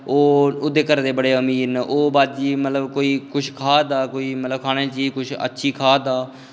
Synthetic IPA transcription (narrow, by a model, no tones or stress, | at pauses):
oːʊd̪ːeːkəɾd̪eːbəɽeːəmiːnʔoːbaːd̪d͡ʒiːmət̪ləbkoːiːkʊt͡ʃʰkʰaːd̪aːkoːiːmət̪ləb̚kʰaːɽ̃ẽːt͡ʃiːd͡ʒkʊt͡ʃʰə̰tːʃʰiːkʰaːd̪aː